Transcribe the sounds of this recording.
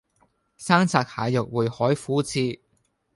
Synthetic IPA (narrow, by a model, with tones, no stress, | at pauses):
saː˥ŋt͡sʰaː˨˧k̚haː˨˧jjʊ˨k̚wuː˨jhɔː˨˥jfuː˨˥t͡sʰiː˧